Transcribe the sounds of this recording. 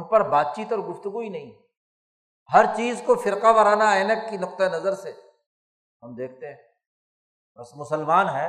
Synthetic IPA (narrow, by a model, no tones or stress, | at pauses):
pɐɾbaːd̪̚t͡ʃiːt̪ɔːɾɡʊft̪ʊɡuinɐɦĩ | ɦɐɾt͡ʃiːzkofɪɾqaʋɐɾaːnaɪnəʈ̚kinʊq̚t̪aenɐzəɾse | ɦɐmd̪eːk̚ʰt̪eɦɛ̃ | bɐsmʊsəlmaːnɦɛː